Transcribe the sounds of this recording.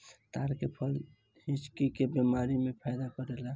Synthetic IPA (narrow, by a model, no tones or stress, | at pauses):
t̪aɾkepʰəl | hĩt͡ʃkikebemaɾimepʰajd̪akəɾela